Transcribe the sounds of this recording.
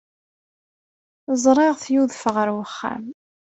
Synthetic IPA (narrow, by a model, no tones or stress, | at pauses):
zˤɾˤɪʁθjuðfəʁəɾwəχːa̰m